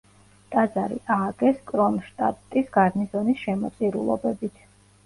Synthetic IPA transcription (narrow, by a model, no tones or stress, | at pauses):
t̪ʼad̪zaɾḭʔaːɡɛskʼɾɔnʃt̪ʼa̰pʼt̪ʼisɡ̥aɾnisɔnisʃɛmɔt̪sʼiɾṵlˠɔ̰bɛbit̪ʰ